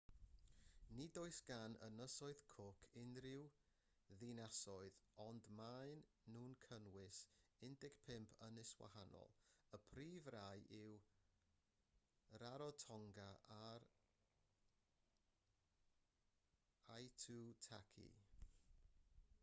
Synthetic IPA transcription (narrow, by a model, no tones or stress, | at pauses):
nidoɨsɡ̥anə̰nəsɔɨð̥kʰʊkʰɪnrɪw | ðɪnasɔɨðɔndmaɨnː | uːnkʰənwɪsɪndɪɡ̥pʰɪmpʰənɪswa̰hanɔ̰lˠəpʰriːvrajʔɪw | ɾaɾɔtʰɔŋɡaʔaɾ | ajtʰutʰakʰḭ